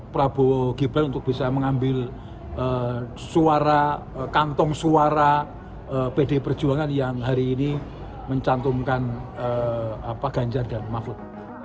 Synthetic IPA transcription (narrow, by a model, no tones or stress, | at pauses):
pəɾab̥oɡ̥ibanunt̪ʊk̚b̥isaməŋambɪl | ə | suaɾa | kant̪ɔŋsuaɾa | əpedepər̥d͡ʒuaŋanjaŋɦaɾiːni | məɲt͡ʃant̪uŋkanəapaɡ̥a̤ɲd͡ʒardanmaklʊt̪̚